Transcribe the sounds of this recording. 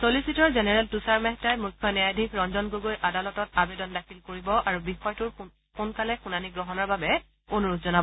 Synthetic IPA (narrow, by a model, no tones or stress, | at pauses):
solisitɔɹzenɛɹɛltusaɹmɛɦtajmukʰːɔnɛjadʱikɹɔnzɔnɡoɡojʔadalɔtɔtabedɔndakʰilkoɹibɔʔaɹubixɔjtʊɹ | kunkalɛxunaniɡɹɔɦɔnɔɹbabɛ | onoɹutzɔnabɔ